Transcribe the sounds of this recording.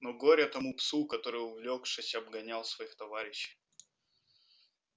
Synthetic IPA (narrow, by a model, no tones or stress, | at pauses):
noɡoɾʲɐt̪ɐmupsukɐt̪o̞ɾɨjʊvlʲokʂɨsʲɐbɡɐnʲalˠsvɐixt̪ɐvaɾʲɪɕːɪ̥j